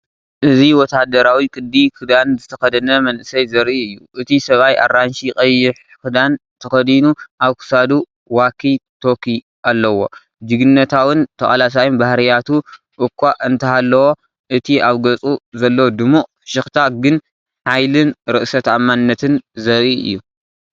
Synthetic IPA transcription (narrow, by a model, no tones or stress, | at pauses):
ʔɨziwɔt̪ʰad̪ɐɾawikʼɨd̪ːikʰɨd̪anzɨt̪ʰɐxɐd̪ɐnɐmɐnʔɨsɐjzɐɾʔiɨjːuʔɨt̪ʰisɐβajʔa̰ranʃikʼɐjːɪħ | kʰɨd̪ant̪ʰɐxɐd̪inuʔaβkʰɨ̥sad̪u | wakʰːit̪ʰo̞kʰi | ʔalːɐwo̞ | d͡ʒɨɡɨnːɐt̪ʰawɨnt̪ʰɐxʼalas̬ajunbahɾɐjat̪ʰu | ʔɨkʰʷːaʔɨnt̪ʰɐalːɐwo | ʔɨt̪ʰiaβɡɐt͡sʼuzɐlːɐwod̪ɨmuʔ | ʃɨxt̪ʰaɡɨn | ħajlɨnɾɨʔsɐt̪amːanːɐt̪ʰɨnzɐɾiɨ̰jːu